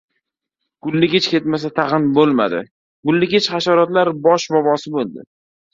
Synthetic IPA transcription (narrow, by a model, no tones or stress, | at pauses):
ɡ̥ʊlːɪɡʲɪt͡ʃkʲet̪mas̬at̪ʰɑʁɨnbolˠma̰d̪ɪ̰ | ɡ̥ʊlːɪɡʲɪt͡ʃχaʃaɾɒt̪laɾbɒʃbɒbɒsɪbolˠd̪ɪ̰